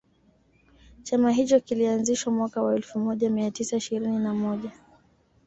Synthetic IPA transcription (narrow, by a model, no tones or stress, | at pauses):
t͡ʃamaɦit͡ʃɔkilianziʃwamwakawaɛlfumɔʄamiatisaiʃiɾininamɔʄa